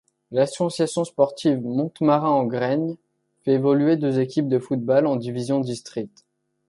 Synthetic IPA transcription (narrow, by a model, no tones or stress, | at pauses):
lasɔsjasjɔ̃spɔʁt̪ivmɔ̃t̪maʁɛ̃ɑ̃ɡʁɛɲ | fɛevɔlyed̪øzekʲip̚d̪əfut̪̚balɑ̃d̪ivizjɔ̃d̪ist̪χik̚t̪